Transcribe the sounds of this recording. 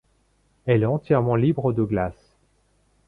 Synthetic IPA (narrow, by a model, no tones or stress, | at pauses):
ɛlɛɑ̃t̪jɛʁmɑ̃libʁəd̪əɡlas